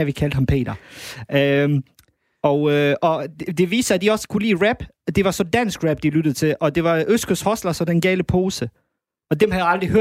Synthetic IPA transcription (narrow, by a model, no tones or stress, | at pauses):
æʋikʰæld̥hɑmpʰe̝̰ːdɐø | ɒʊʔɒ̽d̥e̝ʋḭːsd̥əæd̥iɒ̽sə̥kʰulḭːʁæb̥ | d̥e̝ʋɑ̈sɒ̽d̥æn̰sɡ̥ʁæb̥d̥ilyd̥əð̩ˠt͡sʰe̝lʔɒ̽d̥e̝ʋɑ̈ʔøsɡ̥əshɒslɐsɒ̽denɡ̥ɛːləpʰo̝ːsə | ɒ̽d̥emhæðjaɑld̥ʁiɦøɐ